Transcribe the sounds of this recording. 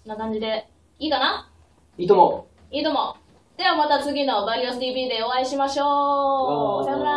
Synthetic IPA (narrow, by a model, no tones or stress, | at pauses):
nːakãɲ̟d͡ʑid̪e̞ | iːkana | iːt̪omo | iːt̪o̞mo | d̪̥e̞βamat̪at͡sɨɡʲino̞baɾʲiosɨd̪ʲiːbʲiːd̪e̞o̞aiɕimaɕo̞ː